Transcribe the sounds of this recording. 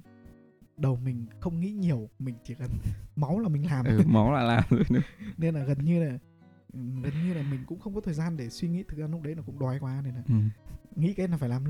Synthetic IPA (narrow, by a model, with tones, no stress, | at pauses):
ɗə˨˩wmï˨˩ŋ̟xə˧wŋ͡mŋḭ˧˥ɲi˨˩əwmï˨˩ŋ̟t͡ɕi˧˩ɣə˨˩nma˨˦wlaː˨˩mï˨˩ŋ̟laː˨˩m˨˧ma˨˦wlaː˨˩laː˨˩mlɨ˧˦˥k̚ɗɨ̰˧˦ne˧nlaː˨˩ɣə˨˩nɲɨ˧laː˨˩˨ | ɣə˨˩nɲɨ˧laː˨˩mï˨˩ŋ̟kʊ̰˧˥ŋ͡mxə˧wŋ͡mkɔ˨˦t̪ʰəː˨˩jzaː˧nɗe˧˩swi˧ŋḭ˧˥t̪ʰɨ˨˩k̚zaː˧n˦˥k͡p̚ɗə˨˦jnaː˨˩kʊ̰˧˥ŋ͡mɗwaː˨˩jkwaː˨˧˦ne˧nlaː˨˩˨ŋḭ˧˥kaː˨˦jnaː˨˩faː˧˩laː˨˩lu˦˥